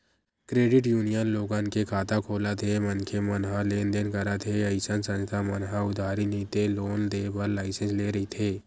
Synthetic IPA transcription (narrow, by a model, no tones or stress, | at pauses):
kɾeːɖɪʈjuːnijənloːɡãːnkekʰaːt̪akʰoːlat̪ʰemənkʰemənɦaleːnd̪eːnkəɾat̪ʰeəjsənsə̃nt̪ʰamənɦãʊd̪ʱaːɾinĩːt̪eloːnd̪eːbəɾlaːɪsə̃nsleːɾɐɦit̪ʰeː